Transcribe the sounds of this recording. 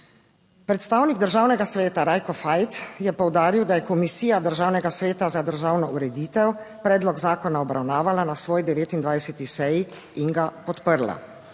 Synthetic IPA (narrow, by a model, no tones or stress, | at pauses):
pɾɛt̪st̪aːwniɡd̪əɾʒaːwnɛɡasʋɛːt̪aɾaːjkɔfajt̪jɛpɔwd̪aːɾiwd̪ajɛkɔmisiːjad̪əɾʒaːwnɛɡasʋeːt̪azad̪əɾʒaːwnɔuɾɛd̪iːt̪ɛwpɾɛːd̪lɔɡzaːkɔnaɔbɾawnaːʋalanasʋɔːjd̪ɛʋeːt̪ind̪ʋajsɛt̪isɛji | iŋɡapɔt̪pəɾla̰